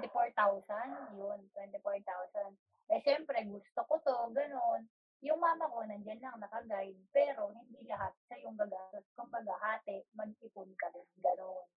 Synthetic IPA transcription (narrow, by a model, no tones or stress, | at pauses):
t̪ɪfoɹt̪awsanjont̪wɛnt̪ɪfoɹt̪awsɐn | ʔɛʃɛmpɾɛɡʊst̪okot̪o̞ɡɐno̞n | jʊŋmaːmɐko̞nɐŋd͡ʒɐnlɐŋnɐkɐɡajd̪̚pɛːɾo̞hɪnd̪ilɐɦat̪̚ʃɐjʊŋɡɐɡaːt̪oskʊmbɐɡahaːt̪ɛʔmɐɡ̚ɪpʊnkɐmɪnŋɡɐnon